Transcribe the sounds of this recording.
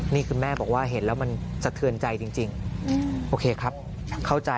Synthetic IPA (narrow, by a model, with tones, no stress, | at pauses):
niː˥˩kʰɯː˧nmɛː˥˩bɔː˨˩k̚waː˥˩ɦe˩˦nlɛː˦˥wma˧nsa˧˩t̪ʰɯ˧ənt͡ɕa˧jt͡ɕi˧ŋt͡ɕi˧ŋ | ʔoː˧kʰeː˧kʰɾa˦˥p̚ | kʰa˥˩wt͡ɕa˧